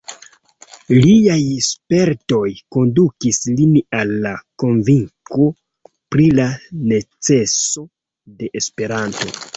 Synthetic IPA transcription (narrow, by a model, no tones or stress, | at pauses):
liajspe̞ɾto̞jko̞ndukislinalːako̞nviŋko̞ | pɾilane̞t͡se̞so̞ | de̞ʔespe̞ɾanto̞̰